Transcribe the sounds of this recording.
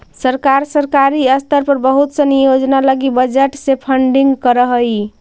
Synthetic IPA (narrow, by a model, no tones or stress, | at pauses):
səɾkaɾsəɾkaɾiəst̪əɾpəɾbəɦut̪sənijod͡ʒnaləɡibəd͡ʒeʈsepʰəɳɖiŋɡkəɾəɦəj